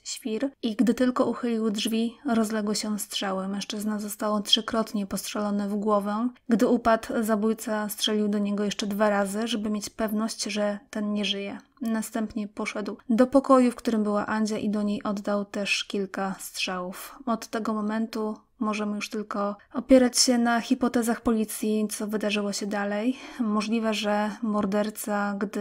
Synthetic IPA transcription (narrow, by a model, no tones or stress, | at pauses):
ɕfʲiɾʔiɡd̪ɘt̪ɘlkɔuxɘlʲiwdʐvʲiɾɔzlɛɡwɘɕɛstʂɛwɘmɛ̃ʂt͡ʂɘznazɔst̪awɔtʂɘkɾɔt̪ɲɛpɔstʂɛlɔnɛvɡwɔvɛɡd̪ɘupat̪zabujt̪sastʂɛlʲiwd̪ɔɲɛɡɔjɛʂt͡ʂɛd̪vaɾazɘʐɛbɘmʲjet͡ɕpɛvnɔɕt͡ɕʐɛt̪ɛnɲɛʐɘjɛ | nast̪ɛmpɲɛpɔʂɛd̪wd̪ɔpɔkɔjufkt̪uɾɘmbɘwaʔaɲd͡ʑaʔid̪ɔɲejʔɔd̪ːawt̪ɛʂkʲilkastʂɛwufɔt̪ːɛɡɔmɔmɛnt̪u | mɔʐɛmɘjuʂt̪ɘlkɔɔpʲjɛɾat͡ɕɕɛnaxʲipɔt̪ɛzaxpɔlʲit̪sʲjit̪sɔvɘd̪aʐɘwɔɕɛd̪alɛjmɔʐlʲivɛʐɛmɔɾd̪ɛɾt̪saɡd̪ɘ